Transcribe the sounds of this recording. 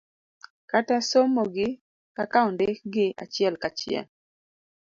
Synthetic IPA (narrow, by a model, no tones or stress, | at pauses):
katasomoɡɪ | kakaɔndeɡɪa̰t͡ʃɪɛlkat͡ʃɪɛ̰l